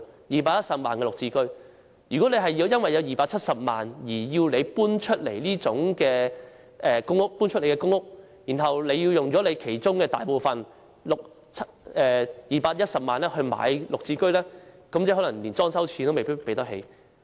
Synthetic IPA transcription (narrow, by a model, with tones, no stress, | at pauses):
jiː˨˩paː˧t̚jɐ˥t̚sɐ˨p̚maː˨nkɛː˧lʊ˨k̚t͡siː˧kɵ˥ɥ | jyː˨kɔː˨˥le˨˧jɦɐ˨jːi˧wjɐ˥nwɐ˨jɐ˨˧wjiː˨paː˧k̚t͡sʰɐ˥t̚sɐ˨p̚ma̰ː˨˩njiː˨˩jiː˧wle˨˧jpuː˥nt͡ʃʰɵ˥t̚le˨˩jliː˥t͡sʊ˨˥ŋkɛː˧ | ʔɛː˨˩kʊ˥ŋʊ˥k̚puː˥nt͡ʃʰt̚le˨˩kɛ˧kʊ˥ŋːʊ˥k̚ | jiː˨˩nɦɐ˨wle˨˧jiː˧wjʊ˨ŋt͡sɔː˨˥le˨˧jkʰe˨˩jt͡sʊ˥ŋkɛː˧t̪aː˨jpo˨˩wfɐ˨n | lʊ˨k̚ | t͡sʰɛː˨˧jiː˨paː˧t̚jɐ˥t̚sɐ˨p̚maː˨nlɛː˥hɵ˧ɥma̰ː˨˧˥jlʊ˨k̚t͡siː˧kɵ˥ɥlɛː˥kɐ˨˥mt͡sɛː˨˥hɔ˨˥lɐ˨˩ŋliː˨˩nt͡sɔː˥ŋsɐ˥wt͡sʰiː˧nt̪o˥wme˨jpi˥pe˨˥jt̪ɐ˥k̚ɦe˨˧j